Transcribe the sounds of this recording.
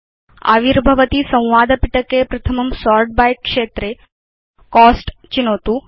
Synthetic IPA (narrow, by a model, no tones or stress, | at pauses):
a̰ːʋiɾbʱɐʋət̪isɐ̃w̃ʋaːd̪ʱəpiʈəkepɾɐt̪ʰəmɐmsɔːɾʈ̚bajkːʂeːt̪ɾe | kɔːsʈt͡ʃinoːt̪u